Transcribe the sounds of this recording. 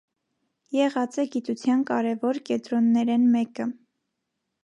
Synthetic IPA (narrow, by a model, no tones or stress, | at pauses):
jɛʁɑt͡sɛɡit̪ut͡sʰjɑnkɑɾɛvɔɾkɛnt̪ɾɔnːɛɾɛnmɛkə